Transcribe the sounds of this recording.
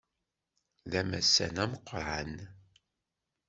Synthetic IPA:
ðæmæ̰sːæ̰næməqːəɾˤʕan

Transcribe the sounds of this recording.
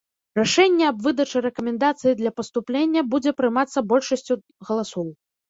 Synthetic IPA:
raʂɛnʲːɛɐbvɨd̪ɐt͡ʂɨɾɛkɐmʲɛnd̪at̪sɨjid̪lʲɐpɐst̪uplʲenʲːɐbud͡zʲɛpɾɨmat̪sːɐbɔlʲʂɐsʲt͡sʲu | ɣɐlˠasɔw

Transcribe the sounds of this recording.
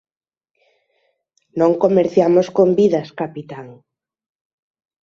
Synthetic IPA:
nõŋkomeɾθjamoskombiðaskapit̪aŋ

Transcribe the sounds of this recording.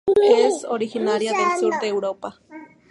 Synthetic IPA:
esoɾihinaɾjaðelsduɾd̪eːwɾopa

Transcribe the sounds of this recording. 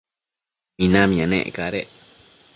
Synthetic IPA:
mĩnãmĩãnḛ̃ʔkaɾeʔ

